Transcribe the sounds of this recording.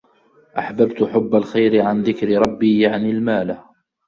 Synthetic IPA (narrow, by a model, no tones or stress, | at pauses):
ʔaħbabt̪ħʊbːalxajɾɪʕanðɪkɾɪɾˤɑbːiːjaʕnɪlmaːlah